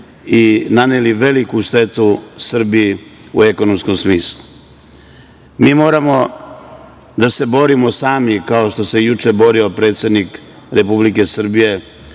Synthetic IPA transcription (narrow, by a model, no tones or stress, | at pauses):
inaneliʋe̞likuʃt̪e̞t̪usr̩biːṵe̞ko̞nomskomsmiːslˠu | miːmo̞ːɾamo̞ | d̪ase̞bo̞ɾimo̞saːmikao̞ʃt̪o̞se̞jut͡ʂe̞bo̞ɾio̞pɾe̞t̪sje̞d̪nik | ɾe̞publike̞sr̩bije̞